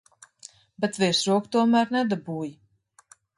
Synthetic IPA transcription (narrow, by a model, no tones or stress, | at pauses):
bɛt̪svɛːɾsɾuɔkt̪uɔmæːɾnɛd̪abuːji